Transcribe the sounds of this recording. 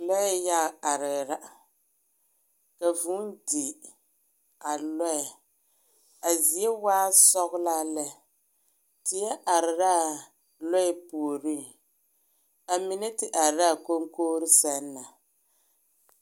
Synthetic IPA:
lɔ˦ja˦˨a˨ɾɪ˨ɾa˦ | ka˨vu˦ndi˨ | a˨lɔ˦ɛ˨ | a˨zi˨e˦waː˦sɔ˦ɣʊ˦la˦lɛ˦ | tɪ˨jɛ˦ʔa˨ɾɪ˨ɾa˦˨ | lɔ˦ɛ˦pu˨o˨ɾi˦ŋ | a˨mi˨nɛ˦tɪ˨ʔa˨ɾɾa˦˨ko˦ŋkoː˦ɾɪ˦sɛ˨nːa˨

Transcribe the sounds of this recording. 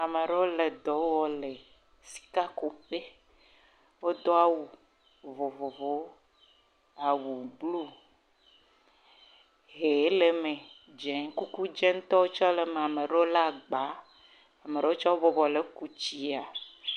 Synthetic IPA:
a˨me˨ɖe˦o˦le˨d̪ɔ˨˦wɔ˦le˨ | si̥˨ka˦ko˨ɸe˦ | wo˦d̪ɔ˦a˨wu˨ | vo˨vo˨vo˦ | a˨wu˨ɡ͡blu˦ | ɦe˨˦le˨me˨ | d͡ʒɛ˨ŋ˦ku˦ku˦d͡ʒɛ˦ŋ˦t̪ɔ˦wo˦t͡ʃɔ˦le˨mẽ˨a˨me˨ɖe˦o˦la˦˨ɡ͡ba˨˦ | a˨me˨ɾe˦wo˦t͡ʃɔ˦wo˦bɔ˦bɔ˨le˨˦ku˦t͡ɕi˦a˨

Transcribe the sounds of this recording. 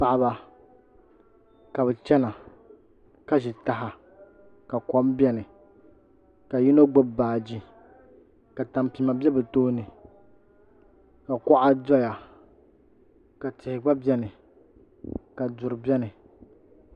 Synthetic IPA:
pa˨ʔa˨ba˨ | ka˨bɛ˨t͡ʃɛ˦na˨ | ka˦ʒi˨ta˨ɦa˨ | ka˨kɔ˨˦mbɛ˦nɨ˨ | ka˨ji˦no˦ɡ͡bo˦baː˨d͡ʒi˦ | ka˨ta˨mpi˨ma˨bɛ˦bɨ˨toː˦nɨ˨ | ka˨kɔ˦ʔa˦dɔ˦ja˨ | ka˨tɪ˨hɪ˨ɡ͡ba˦bʲɛ˦nɨ˨ | ka˨dʊ˨ɾɨ˨bʲɛ˦nɨ˨

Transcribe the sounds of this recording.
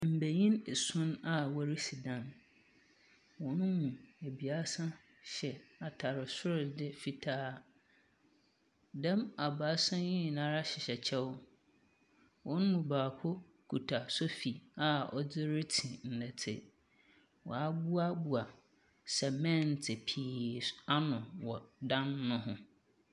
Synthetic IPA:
m̩˨bæ˨ɲĩ˦ne˨sʊ̃˦na˨wɔ˦ɾi˦si˨dã˦n | wɔ̃˨nʊ̃˦mũ˨æ˨bi˨a˦sã˦ | ɕɛ˨a˨tʰa˨ɾɪ˨sʊ˦ɾɪ˨dɪ˦fi˨tʰaː˦ | dã˦ma˨ba˨˦sã˦jĩ˦˨nã˦ɾa˦ɕɪ˨ɕɛ˨t͡ɕʰɛ˦w | wɔ̃˨˦ñ˦mũ˨baː˨pʰʊ˦ | kʰu˨tʰa˨so˦fi˨a˨ɔ˦d͡zɪ˦ɾɪ˦tʰĩ˨n̩˨nɛ˨tʰɪ̰˦ | wɔ̰˨a˦bu˦a˦bu˨a˨ | sɛ˨mɛ̃˦n˨tʰɪ˨pʰiː˦˨˦sa˦nʊ̃˨wɔ˨dã˦nːʊ̃˦ɦʊ̃˦

